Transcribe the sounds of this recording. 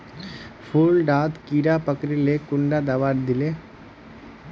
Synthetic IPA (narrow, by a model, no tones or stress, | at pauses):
pʰuːlɖaːd̪kiːɾapəkɾilekʊɳɖad̪aʋaːɾd̪ɪle